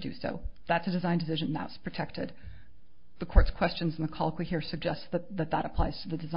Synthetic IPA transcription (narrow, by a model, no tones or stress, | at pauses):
dɨ̰so̰ʊðætsɨdɨzãɪ̃ndɨs̬ɪʒɨ̃nðə̰ʊtspʰɹ̥ɨtʰɛk̚tɪ̰d̪̚ | ðəkʰɔɹtskʰw̥ɛst͡ʃɨ̃nzn̩ðəkʰɑlˠəkʰwihiɹsɨɡ̚d͡ʒɛstsðɨt̪̚ðɨt̪̚ðəɾəpʰl̥aɪz̥tʰɨðɨdɨzã